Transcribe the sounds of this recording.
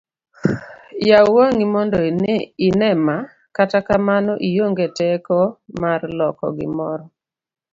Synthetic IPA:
jawoŋimɔndɔinɛma | katakamanɔʔijoŋɡetɛkɔmarlɔkɔ̰ɡɪ̰mɔɾɔ

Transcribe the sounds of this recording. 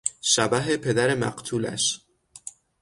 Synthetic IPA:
ʃæbæɦepʰe̞d̪æɾe̞mæ̰ɢt̪ʰuːlæ̰ʃ

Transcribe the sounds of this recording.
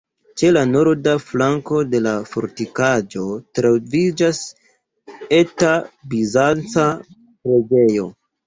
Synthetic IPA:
t͡ʃe̞lano̞ɾdaflaŋko̞de̞lafo̰ɾtikad͡ʒo̞tɾavid͡ʒas | e̞tabizant͡sa | pɾe̞d͡ʒe̞jo̞

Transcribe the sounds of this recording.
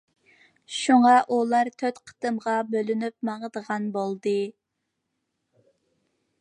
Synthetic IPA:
ʃuŋɑʔulˠɑɾt̪ʰøt̪qʰə̥t̪ɨmʁɑbølynyp̚mɑŋəd̪əʁɑnbolˠd̪ɨ

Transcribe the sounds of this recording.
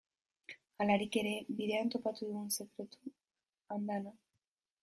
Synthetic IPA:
alaɾike̞ɾe̞biðe̞ant̪o̞pat̪uðuunse̞kɾe̞t̪u̥ | and̪ana

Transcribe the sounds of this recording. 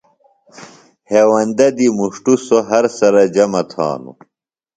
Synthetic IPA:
heːwɐnd̪ɐd̪imuʂʈusoɦɐɾsɐɾɐd͡ʑɐmɐt̪ʰa̰ːnṵ

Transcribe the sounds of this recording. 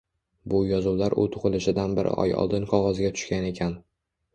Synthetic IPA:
bʊjɒzʊwlaɾʔʊ̰t̪ʰʊʁɨlɪʃɪd̪anbɪɾʔɪ̰ʔɒ̰jɒ̰lˠd̪ɪnqʰɒʁɒzɡʲat̪ʰʊ̥ʃkʲane̞kʲʰan

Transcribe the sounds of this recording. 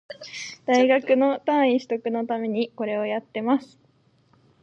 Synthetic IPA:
d̪̥aiɡakɯ̟no̞t̪ãɰ̃iɕi̥t̪o̞kɯ̟no̞t̪ame̞ɲ̟iko̞ɾe̞ojat̪ːe̞masɨ̥

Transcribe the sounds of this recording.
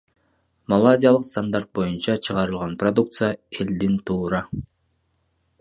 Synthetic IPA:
malˠazʲijalˠɯqst̪and̪aɾt̪̚bo̞junt͡ʃɑt͡ʃʰɯʁɑɾɯlˠʁɑnprod̪uk̚t̪sɨjae̞ld̪int̪ʰuːɾɑ

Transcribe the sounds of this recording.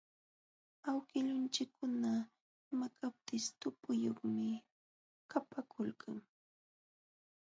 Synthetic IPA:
awkɪʎʊnt͡ʃɪkːʊna | makʰap̚t̪ɪst̪ʊpʊjoχmɪ | kapakʰʊlkʰaŋ

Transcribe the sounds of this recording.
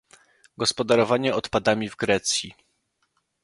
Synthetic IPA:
ɡɔspɔd̪aɾɔvaɲɛɔt̪pad̪amʲivɡɾɛt̪sʲji

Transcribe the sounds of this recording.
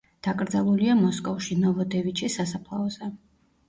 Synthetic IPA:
d̪̥akʼɾd̪zalˠuliamɔskʼɔfʃinɔvɔd̪ɛvit͡ʃʰʼisasapʰlˠaɔzɛ

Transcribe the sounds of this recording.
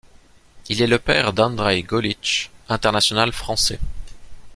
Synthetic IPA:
ilɛləpɛʁd̪ɑ̃d̪ʁajɡɔlit͡ʃɛ̃t̪ɛʁnasjɔnalfχɑ̃sɛ̰

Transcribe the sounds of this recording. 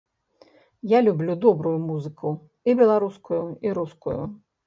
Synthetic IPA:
jalʲublʲud̪ɔbɾujumuzɨkʰu | ibʲɛlˠaɾuskujuiɾuskujṵ

